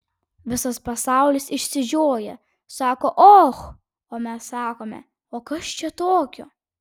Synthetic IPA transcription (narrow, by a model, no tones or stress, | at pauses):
ʋʲɪsɐspɐsɑˑʊlʲɪsɪʃʲsʲɪʒʲoːjɛ̰ | sɑːkoːʔoːx | oːmʲɛssɑːkoːmʲɛ̰ | oːkɐst͡ʃʲɛt̪oːkʲo̰